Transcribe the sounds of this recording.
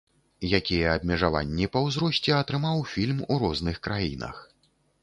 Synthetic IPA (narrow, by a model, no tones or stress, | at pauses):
jakʲijɛɐb̚ʲmʲɛʐava̰nʲːipɐwzɾɔsʲt͡sʲɛɐt̪ɾɨmawfʲilʲmuɾɔznɨxkɾajinɐ̰x